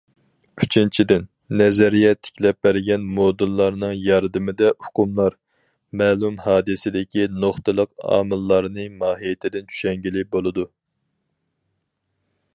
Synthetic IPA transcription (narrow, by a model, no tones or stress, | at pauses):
yt͡ʃʰint͡ʃʰid̪ɪnː | ɛzɛɾijɛt̪ʰːɪ̥kʲlɛp̚bæɾɡʲɛnmod̪ɨlˠːɑɾnɨŋjɑɾd̪ɨmɪd̪ɛʊqʰʊmlˠɑɾ | mɛːlˠumhɑːd̪ɨsɪd̪ɪkʲʰinoχt̪ɨlˠəqɑ̰ːmɨlˠːɑɾnɨmɑːɦijet̪ʰɪd̪ɪnt͡ʃʰy̥ʃɛŋɡʲilɪbolˠɨd̪u